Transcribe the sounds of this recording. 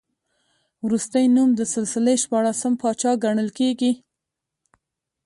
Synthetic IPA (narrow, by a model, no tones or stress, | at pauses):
wɾust̪əjnumd̪əsɪlsɪleʃpɑɽasəmpɑt͡ʃɑɡaɳəlkeɡi